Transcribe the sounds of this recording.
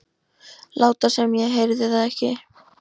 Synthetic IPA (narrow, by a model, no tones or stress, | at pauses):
laːwt̪asɛmjɛɣɦejɾðɪθaðɛhcɪ